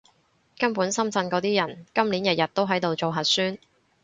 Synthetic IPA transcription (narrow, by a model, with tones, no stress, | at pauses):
kɐ˥mpuː˨˥nsɐ˥mt͡sɐ˧nkɔː˨˧˥t̪iː˥jɐ˨˩nkɐ˥mliː˨˥njɐ˨t̚jɐ˨˩t̚t̪ːo˥wɦɐ˨˥jt̪o˨wt͡so˨wɦɐ˨t̚syː˥n